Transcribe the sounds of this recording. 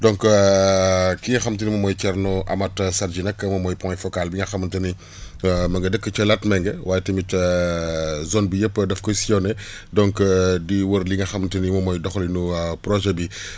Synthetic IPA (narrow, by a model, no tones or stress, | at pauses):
dɔŋk | kiŋɐxɐmtənimɐmɔjt͡ʃɛɾnuʔɐ̰mɐtsɐɾd͡ʒinɐkːəmɐmɔjpɔ̃fɔkalbiŋɡɐxɐmɐntɐni | mɐŋɡɐdəkːət͡ʃɐlɐtmɛŋɡɛwaːjɛtɐmitə | zɔnbijəpːədɐfkɔsiɔnɛ | dɔŋkdiwəɾliŋɡɐxɐmtənimɐmɔjdɔxlinupɾɔʒɛbi